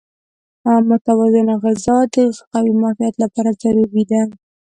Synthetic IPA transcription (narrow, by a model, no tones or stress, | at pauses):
amʊt̪awazɪnaɣɪzɑd̪əxqawimɑfɪjat̪lapɑɾazaɾubid̪an